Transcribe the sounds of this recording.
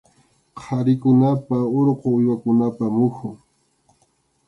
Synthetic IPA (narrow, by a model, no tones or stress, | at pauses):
qʰaɾɪkʊnapaoɾqoʊjwakʊnapamʊkʊŋ